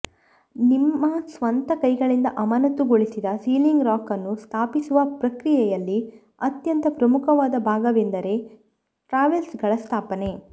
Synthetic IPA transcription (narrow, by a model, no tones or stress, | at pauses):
nimːɐsʋɐnt̪ɐkɐjɡɐɭind̪ɐʔɐmɐnɐt̪ːuɡo̞ɭisid̪ɐsiːliŋɡɾaːkɐnːust̪ʰaːpisuʋɐpɾɐkɾijɛjɐlːi | ɐt̪jɐnt̪ɐpɾɐmukʰɐʋaːd̪ɐbʱaːɡɐʋend̪ɐɾe̞ | ʈɾaːʋelsɡɐɭɐst̪ʰaːpɐne̞